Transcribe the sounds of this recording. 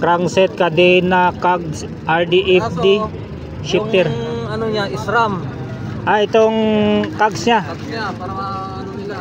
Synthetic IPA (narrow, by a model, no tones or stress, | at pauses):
kɾaŋsɛt̪̚kad̪ɛnakaɡs | ʔaɾd̪iʔɛfd̪i | ʃɪp̚t̪ɛɾɐnoɲaɪsɾam | ʔaɪt̪oŋkaɡsɲa